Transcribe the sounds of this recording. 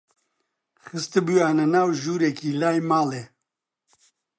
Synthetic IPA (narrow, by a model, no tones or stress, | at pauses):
xɨst̪ɨbujaːnɐnaːwʒuːɾekiːlaːjmaːleː